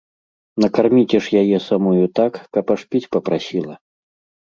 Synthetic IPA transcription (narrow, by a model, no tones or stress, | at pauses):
nɐkarmʲit͡sʲɛʂjajɛsamɔjut̪akːɐpaʂpʲit͡sʲpɐpɾasʲilˠɐ